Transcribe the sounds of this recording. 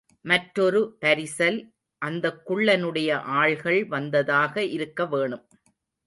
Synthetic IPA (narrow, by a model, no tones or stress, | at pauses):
mɐʈɾɔɾɯpɐɾɪsɐl | ʔɐnd̪ɐkːʊɭːɐnɯɽɐjɐʔaːɭɣɐɭʋɐnd̪ɐðaːɣɐʔɪɾɯkːɐʋeːɳɯm